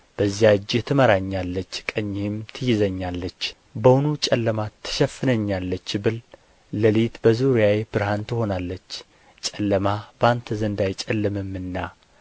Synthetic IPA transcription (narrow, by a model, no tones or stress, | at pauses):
b̥əzːijad͡ʒːɪt̪ʰɨməɾaɲːalːət͡ʃːkʼəɲːemt̪ʰɨjɪzəɲːalːət͡ʃː | bəwnut͡ʃʼɛlːəmat̪ʰːɨ̥ʃɛfːɨnəɲːalːət͡ʃːbɨl | ləlit̪bəzuɾijaweb̥ɨɾhant̪ʰɨho̞nalːət͡ʃː | t͡ʃʼɛlːəmabəant̪ʰəzənd̪ajt͡ʃʼɛlːɨmɨmːɨnːa